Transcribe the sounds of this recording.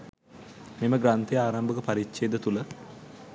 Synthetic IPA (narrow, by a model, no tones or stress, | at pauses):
meməɡɾant̪ejəaːɾambəkəpaɾitt͡ʃeːd̪ət̪ulə